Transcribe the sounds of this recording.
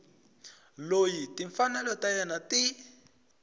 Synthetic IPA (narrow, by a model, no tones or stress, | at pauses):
lojit̪iɱfanalot̪ajanat̪i